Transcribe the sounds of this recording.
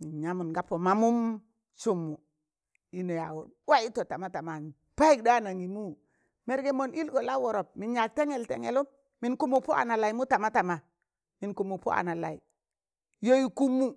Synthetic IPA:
mi˨nɲa˦mu˨nɡa˨˦pːo˨ma˨mu˦m | su˦mːu˨ | i˦no˨ja˨wo˨nwa˦i˦to˨ta˨ma˦ta˨ma˨n˨ | pa˦i˦˨k̚da˦na˨ŋi˨mu˦ | me˨ɾɡe˨mo˨ni˦lɡo˨la˦wo˨ɾo˨p̚mi˨nɲa˨k̚te˦ŋe˨ltḛ˨ŋḛ˨lu˦mː | i˨nku˦mu˨pu˦a̰˨na˨la˨i˨˦mu˦ta˨ma˦ta˨ma˨ | mi˨nku˨mu˨pṵ˦ʔa̰˨na˨la˨i˨ | jo˦ji˦ku˦mːu˦

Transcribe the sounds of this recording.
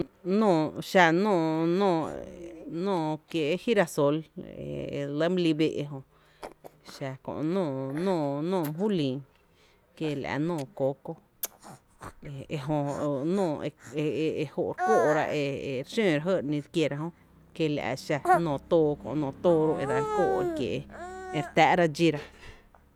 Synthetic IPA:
nõː˧˨ʃa˧nɔ̃ː˦˧˨nɔ̃ː˧˨ | nõː˧˨kje˧˦hi˦ɾa˧so˧lḛ˨ḛ˨lə˦m˦li˧be˧ʔe˧ɦõ˧ | ʃa˧kõ̰˧ʔnɔ̃ː˧˨nɔ̃ː˦˧˨nɔ̃ː˦˨m˨ɦu˦lĩː˨ | ke˧la̰˧nɔ̃ː˧˨ko˨˦ko˧ | e˧e˧ɦõ˧nõː˧˨e˧e˧e˧ho˧ʔɾkoː˦ʔɾa̰˧ʔe˧e˧ɾʃẽː˦˨ɾa˧ɦə˦˨ɾnĩ˧ɾkje˧ɾa˧ɦõ˦ | ke˧˨la̰˨ʔa̰˧˨ʃa˧nɔ̃ː˧˨t̪oː˧kõ̰˧ʔnɔ̃ː˧˨t̪oː˧˦ɾo˧ʔe˧ɾa˨˦ko˦ʔe˧kjḛ˨ʔe˧ɾt̪aː˧˦ʔɾa˧d͡ʒi˧ɾa˧

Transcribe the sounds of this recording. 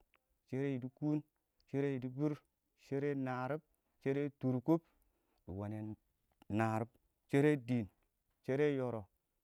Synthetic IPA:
t͡ʃe˦ɾe˦ji˨di˦ku˦n | t͡ʃe˦ɾe˦ji˨di˦bi˦ɾ | ʃe˦ɾe˦na˨ɾi˦b̚ | t͡ʃe˦ɾe˦tu˨ɾku˦p̚ | dḭ˨wa˨ne˨ | na˨ɾi˦b̚ | t͡ʃe˦ɾe˦di˨n | t͡ʃe˦ɾe˦jo˨ɾo˨

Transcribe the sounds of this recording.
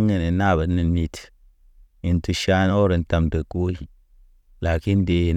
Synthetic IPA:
ŋe˨ne˨na˦˨bə˨˦ni˨ni˨t | i˨n˦tu˨ʃa˦n˦o˦ɾe˨n̩˦ta˧mdə˨ko˦i˨ | la˨ki˦n˦de˨n

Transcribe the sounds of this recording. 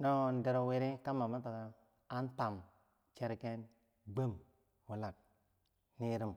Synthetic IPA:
no˦˨n˨de˨ɾo˨we˦ɾi˦ka˦ma˨ma˦ta˨ka˨ | a˦n˦ta˨m | t͡ʃe˦ɾke˦n | ɡ͡be˦m | wu˨la˨k̚ | ni˦ɾi˦m

